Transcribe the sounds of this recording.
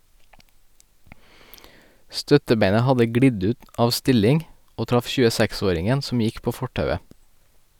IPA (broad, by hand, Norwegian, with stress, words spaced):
ˈstœtəˌbeɪnə ˈhɑdə ˈɡɽɪɟ ˈʉːt ˈɑːʋ ˈstɪlɪŋ ˈoː ˈtɾɑf ʃʉːəˈsɛkˌsoːɾɪŋən ˈsɔm ˈjɪk ˈpoː ˈfɔʈɑʉə